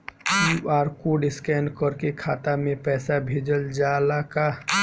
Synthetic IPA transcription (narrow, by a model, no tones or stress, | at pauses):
juʔaːɾkoɖɪskɛːnkəɾkekʰaːt̪amẽpɛːsabʱeːd͡ʒəld͡ʒaːlaka